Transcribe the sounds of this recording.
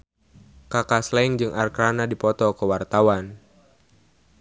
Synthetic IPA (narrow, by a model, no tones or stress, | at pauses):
kakaslɛŋd͡ʒɨŋʔarkɾanadipɔt̪ɔkəwart̪awan